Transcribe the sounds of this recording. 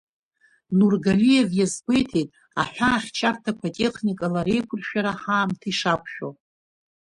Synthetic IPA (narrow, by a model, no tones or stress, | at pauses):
nurɡalije̞vjazbʷejtʰejtʼ | a̰ħʷᶣaːχʲt͡ʃʰartʰakʷʰatʼe̞χnikʼalaɾe̞jkʷʰʊrʃᶣaɾaħaːmtʰiʂakʷʰʼʃᶣo̰